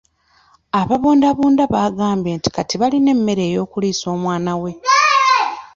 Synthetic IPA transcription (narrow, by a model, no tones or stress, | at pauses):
aβaβoːndaβuːndaβaːɡaːmbje̞ːnti̥katiβaline̞mːe̞ɾe̞ːjo̞ːkuliːso̞ːmwaːnawe̞